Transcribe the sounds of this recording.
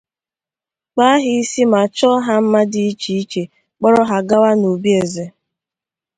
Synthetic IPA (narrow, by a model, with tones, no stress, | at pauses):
k͡pa˦a˦ɦɪ˦i˦si˦ma˨t͡ʃɔ˦ɦa˦m̩˦ma˦dɪ˦i˦t͡ʃi˨i˦t͡ʃe˨ | k͡pɔ˦ɾɔ˦ɦa˦ɡa˦wa˦no˨bi˦e˨ze˨